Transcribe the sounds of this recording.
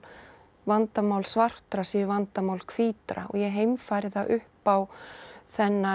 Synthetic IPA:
vant̪amawlsvar̥t̪ɾasiːvant̪amawlkʰv̥iːt̪ɾa̰ɔ̰ɣjɛɦeːjmfaːjɾɪθaʔʏhpawθɛnːa

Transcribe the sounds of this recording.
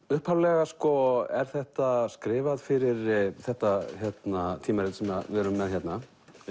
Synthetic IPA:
ʏhphawlɛɣaskɔɛɾ̥θɛht̪askɾɪːvaðfɪɾɪɾθɛht̪açjɛt̪nat̪ʰiːmaɾɪt̪sɛmavɛɾʏmːɛðçjɛt̪na

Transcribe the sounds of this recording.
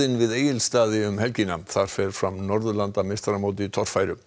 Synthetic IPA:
ɪnvɪðeːjɪlst̪aːðɪʏmhɛlcinaθaɾ̥fɛɾ̥fɾamnɔɾðʏlant̪amejst̪aɾamoːwt̪̬ɪt̪ʰɔr̥faːjɾʏ

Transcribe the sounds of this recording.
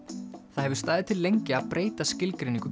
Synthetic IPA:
θaðhɛvʏɾ̥st̪aːjðɪt̪ʰɪlːejɲcɪaðpɾeːjt̪ascɪlkɾeniŋkʏ

